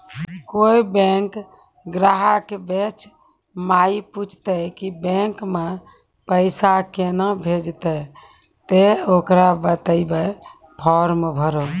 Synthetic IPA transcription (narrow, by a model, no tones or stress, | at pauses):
koibɛ̃ŋk | ɡɾaɦakebet͡ʃʰ | maiput͡ʃʰt̪əkibɛ̃ŋkmẽ | pəɪsakenabʱed͡ʒt̪ə | t̪eokɾabət̪əibə | pʰɔɾmebʱəɾo